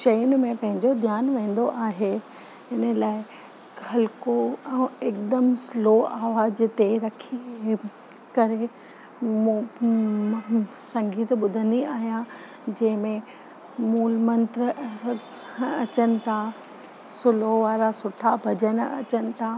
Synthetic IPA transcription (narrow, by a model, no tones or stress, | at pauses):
ʃɐjʊnɪ̆mẽpɐ̃ɦɪ̃ɲd͡ʑod̪ʱjaːnʋẽːn̆d̪oʔaːɦe | ɪnəlaːɪ | ɐlkoɛ̃ːeːkd̪əmsloːaːʋaːzt̪eɾɐkʰi | kɐɾe | m | sɐ̃ŋɡiːt̪ɓʊd̪ʱə̃nd̪iaːɦijã | d͡ʑɐ̃ɦɪ̃mẽ | muːlmə̃nt̪ɾə | ɐt͡ɕənɪ̆t̪ʰa | sʊloʋaːɾasʊʈʰabʱɐd͡ʑənɐ̰t͡ɕənɪ̆t̪ʰa